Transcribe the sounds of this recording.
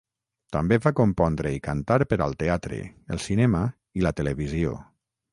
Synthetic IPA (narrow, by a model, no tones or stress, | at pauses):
t̪ambevakompɔnd̪ɾeikant̪aɾpəɾalˠt̪eat̪ɾḛəlˠsinɛma | ilət̪eleβizio̰